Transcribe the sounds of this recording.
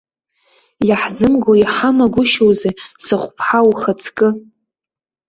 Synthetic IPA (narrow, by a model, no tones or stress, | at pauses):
jaħzɨmɡoiħamaɡʷʊʃowzejsɨχʷpʰħawuχat͡sʰkʼɨ